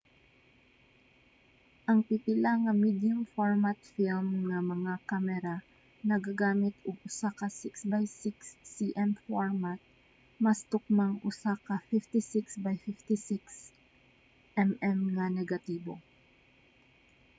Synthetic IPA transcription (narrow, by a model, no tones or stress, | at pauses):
ʔɐŋpɪpɪlaŋɐmid̪jʊmfoɹmat̪filmŋɐmɐŋakamɛɾa | nɐɡaɡaːmɪt̪ʊɡ̚ʊsakɐsɪksbajsɪksːiʔɛmfoɹmat̪̚ | mɐst̪ʊk̚maŋʔʊsakɐfɪft̪ɪsɪksbajfɪft̪ɪsɪks | ʔɛmɛmŋɐnɛɡɐt̪iːbo̰